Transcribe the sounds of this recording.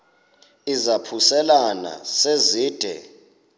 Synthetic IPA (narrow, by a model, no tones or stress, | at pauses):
izapʰusɛlana̰seziːd̥ʱɛ̰